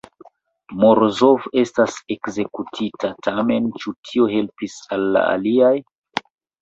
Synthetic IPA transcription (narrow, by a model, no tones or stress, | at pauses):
moɾzo̞ve̞stase̞kze̞kutʰitʰatʰame̞nt͡ʃutʰio̞ɦe̞lpisalːa̰a̰liaj